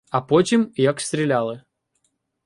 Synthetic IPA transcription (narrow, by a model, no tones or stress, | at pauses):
ɐpot͡ɕɪmjaksʲt̪ɾʲɪlʲalˠɨ